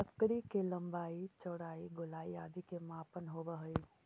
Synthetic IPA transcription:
əkːɽikelɐ̃mbaːit͡ʃɔːɽaːiɡʊlaːiaːd̪ikemaːpənɦoːbəɦəi

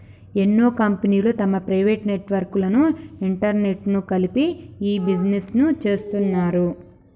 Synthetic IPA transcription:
e̞nːoːkɐmpeniːloːt̪ɐmɐpɾɐjʋe̞ːʈne̞ʈʋɐɾkulɐnuiɳʈɐɾne̞ʈnukɐlipiiːbid͡ʒnesnut͡ʃe̞ːst̪unːaːɾu

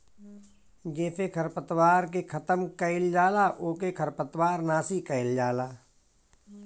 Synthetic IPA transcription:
ɡeːfekʰəɾpət̪waːɾk̬ekʰɐt̪əmkɐɪld͡ʒaːlaʔoːkekʰəɾpət̪waːɾnaːsikɐɪld͡ʒaːlaː

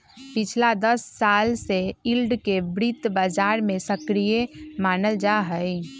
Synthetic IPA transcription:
pit͡ʃʰlad̪əsːalseilɖkebɾit̪bad͡ʒaɾmesəkɾijemanəld͡ʒaɦəj

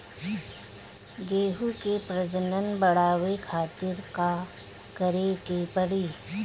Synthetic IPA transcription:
ɡeːɦukepɾəd͡ʒənənbəɽaːwekʰaːt̪ɪɾka | kəɾekipəɽiː

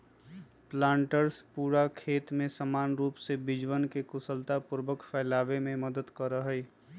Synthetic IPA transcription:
plãːɳʈəɾspuːɾakʰeːt̪mẽsəmaːnɾuːpsebɪd͡ʒwənkekʊsəlt̪apʊɾʋəkfʰɛːlaːʋemẽməd̪əd̪kəɾəɦɛi

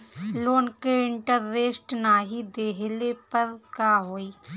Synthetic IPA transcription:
loːnkeɪɳʈəɾːeːsʈnaɦid̪eːɦlepəɾkaːɦoːiː

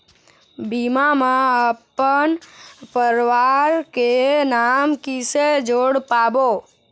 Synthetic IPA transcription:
bimamãəpənpəɾʋaɾkenamkised͡ʒoɽpabo

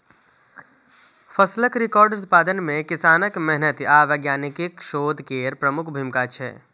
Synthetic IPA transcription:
fʰəsləkɾɪkɔːɾɖʊt̪̚paːd̪ənmẽkɪsaːnəkmɛɦnət̪aːʋəɡjaːnikikʃoːd̪ʱkeːɾpɾəmʊkʰbʱimkat͡ʃʰɛ̰

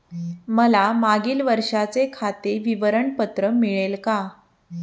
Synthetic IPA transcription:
məlamaɡiːlʋəɾʂat͡sekʰat̪eʋiʋəɾəɳpət̪ɾəmiɭelka

